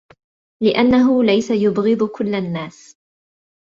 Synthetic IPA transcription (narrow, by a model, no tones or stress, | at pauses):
lɪʔanːaɦʊlajsajʊbɣɨd̪ˤkʊlːanːaːs